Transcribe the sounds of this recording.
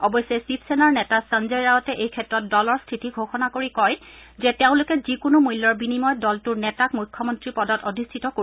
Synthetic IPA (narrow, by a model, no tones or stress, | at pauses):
ɔbɔjsːɛsipʰsɛnaɹnɛtasanzɛɹɹaɦɔtɛʔejkʰɛtɹɔt̚dɔlɔɹstʰitiɡʱoxɔnakoɹikɔjzɛteʊ̃lʊkɛzikʊnʊmujlːɔɹbinimɔjdɔltʊɹnɛtakmujkʰːɔmɔntɹipɔdɔtodʱistʰitɔko